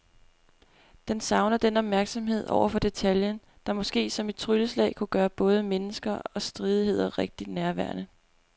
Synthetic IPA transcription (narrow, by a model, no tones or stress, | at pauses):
d̥ensɑ̈ʊnɐd̥enɒ̽b̥mæɐɡ̥sɒ̽mɦe̝ð̞̰ˠɒ̰ʊɐfɒ̽d̥e̝t͡sʰæljən | d̥ɑ̈mɒ̽sɡ̥e̝̰ːsɒ̽me̝d̥̚t͡sʰʁyləslɛ̰ːɪkʰuɡ̥ɶːɐb̥ɔ̽ːð̞ˠəmenəsɡ̥ɐɒ̽sd̥ʁiːð̞ˠihe̝ð̞̰ˠɐʁeɡ̥̚d̥id̥næɐʋæɐnə